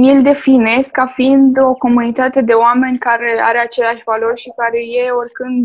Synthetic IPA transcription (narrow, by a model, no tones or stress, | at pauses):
jild̪e̞fine̞skafind̪o̞ko̞munit̪at̪e̞d̪e̞oame̞nʲkaɾe̞a̰ɾeat͡ʃe̞leaʃʲvalo̞rʲʃikaɾe̞je̞o̞rʲkɨnd̪